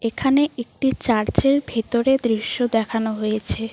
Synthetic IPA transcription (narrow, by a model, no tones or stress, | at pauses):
ekʰaneek̚ʈit͡ɕaɾt͡ɕeɾbʱet̪oɾed̪ɾiʃːod̪ɛkʰanoɦojet͡ɕʰe